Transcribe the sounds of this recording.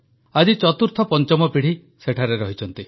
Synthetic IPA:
ad͡ʒit͡ʃɔt̪uɾt̪ʰɔpɔnt͡ʃɔmɔpiɽ̤i | seʈʰaɾeɾɔɦit͡ʃʰɔnt̪i

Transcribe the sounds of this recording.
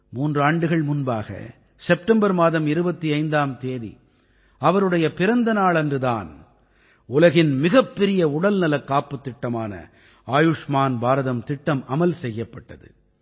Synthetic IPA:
muːndrɯaːɳɖɯɣɐɭmʊnbaːɣɐ̰ | sɛpʈɐmbɐɾmaːðɐmɪɾɯbɐt̪ːiɐɪnd̪aːmt̪eːðḭ | ɐʋɐɾɯɽɐjɐpɪɾɐnd̪ɐnaːɭɐndrɯða̰ːn | ʊlɐɣɪnmɪɣɐpːɛɾɪjɐʊɽɐlnɐlɐkːaːpːɯt̪ːɪʈːɐmaːnɐ̰ | aːjʊʂmaːnbaːɾɐðɐmt̪ɪʈːɐmɐmɐlsɛjːɐpːɐʈːɐðɯ̰

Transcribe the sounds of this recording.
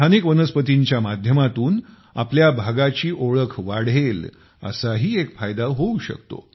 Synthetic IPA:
t̪ʰanikʋənəspət̪iɲt͡ɕjamad̪ʱjəmat̪uːn | a̰pljabʱaɡat͡ɕiːʔoɭəkʰʋaɽ̤el | ə̰saɦiːekfajd̪aɦouɕə̰k̚t̪o̰

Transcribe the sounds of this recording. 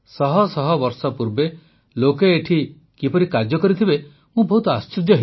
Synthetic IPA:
sɔɦɔsɔɦɔbɔɾsɔpuɾbe | lokeːʈʰi | kipɔɾikaɾd͡ʒjɔkɔɾit̪ʰibe | mũbɔɦut̪ɔast͡ʃid̪jɔɦi

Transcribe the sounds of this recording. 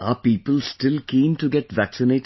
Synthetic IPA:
aːpiːpəlsʈɪlkĩːmʈuɡɛʈʋæksɪneːʈ

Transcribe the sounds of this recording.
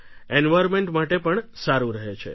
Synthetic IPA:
enʋajɾmeɳʈmaʈepəɳsaɾũɾəɦet͡ʃʰḛ

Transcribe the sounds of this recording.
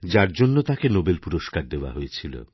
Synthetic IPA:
d͡ʑaɾd͡ʑonːot̪akenobelpuɾoʃkaɾd̪eoa̰ɦojet͡ɕʰilo̰

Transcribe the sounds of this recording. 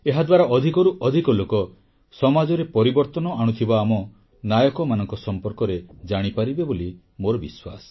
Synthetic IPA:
eɦad̪waɾaʔɔd̪ʱikɔɾuʔɔd̪ʱikɔlokɔ | sɔmad͡ʒɔɾepɔɾibɔɾt̪ɔnɔʔaɽ̃ut̪ʰibaːmɔ | najɔkɔmanɔŋkɔsɔmpɔɾkɔɾed͡ʒaɽ̃ipaɾibeboli | moɾɔbiswa̰sɔ̥

